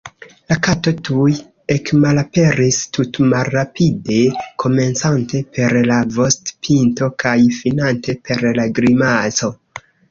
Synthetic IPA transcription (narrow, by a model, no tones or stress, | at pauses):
lakato̞tuj | e̞kmalape̞ɾistutmalːapʰide̞kʰo̞me̞nt͡sante̞pe̞ɾlavo̞stpʰinto̞kajfinante̞pe̞ɾlaɡɾimazo̞